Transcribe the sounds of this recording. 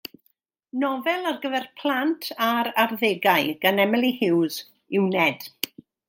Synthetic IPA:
nɔvɛlˠarɡəvɛrpʰl̥ˠantʰaɾarðeɡaɨɡ̥anɛmɛlˠihɪwz | ɪwnɛd̥

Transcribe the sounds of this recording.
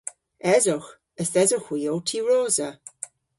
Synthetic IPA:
ɛzʊχ | əsɛzʊxwiːowtʰiɹoːzə

